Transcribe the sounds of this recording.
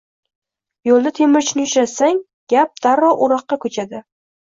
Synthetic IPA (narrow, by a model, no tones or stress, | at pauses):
jolˠd̪at̪ʰemɪɾt͡ʃnɪʊt͡ʃɾasaŋ | ɡ̥ʲap̚d̪̥aɾɒʔʊɾɑq̚ːɑkʰɵt͡ʃʰad̪ɪ